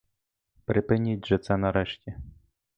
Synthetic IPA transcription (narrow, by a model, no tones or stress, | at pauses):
pɾɪpɪnʲit̚ʲʒɛt̪sɛnɐɾɛʃtʲi